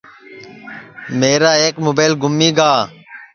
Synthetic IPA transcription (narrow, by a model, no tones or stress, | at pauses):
meːɾaːeːkmoːbaːlɡʊmːiːɡaː